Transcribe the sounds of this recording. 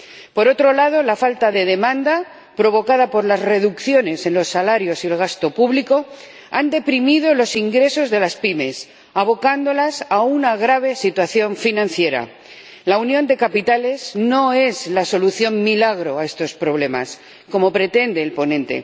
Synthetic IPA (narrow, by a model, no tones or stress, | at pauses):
po̞ɾo̞t̪ɾo̞lað̞o̞lafalt̪aðe̞ðe̞mãnd̪a | pɾo̞β̞o̞kaðapo̞ɾlazre̞ðukθjo̞ne̞se̞nlo̞sːalaɾjo̞sielɣast̪o̞puβliko̞ | a̰nd̪e̞pɾimið̞o̞lo̞siŋɡɾe̞so̞zðe̞laspime̞s | aβ̞o̞kand̪o̞lasaunaɣ̞ɾaβ̞e̞sit̪waθjo̞ɱfinãn̟θje̞ɾa̰ | launjõnd̪e̞kapit̪ale̞zno̞e̞zlaso̞luθjo̞ŋmilaɣ̞ɾo̞ae̞st̪o̞spɾo̞βle̞ma̰s | ko̞mo̞pɾe̞t̪e̞nd̪e̞ːlpo̞nẽ̞nt̪e̞̰